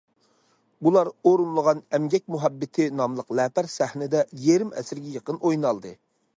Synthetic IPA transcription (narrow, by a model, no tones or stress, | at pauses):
bulˠɑɾoɾunlˠəʁɑnɛmɡʲɛk̚ʲmuɦɛbːɪt̪ʰɪnɑmlˠəqlɛːpæɾsæhnɪd̪ɛjeɾɪmɛ̰sɪɾɡʲɛjəqənʔojnɑlˠd̪ɨ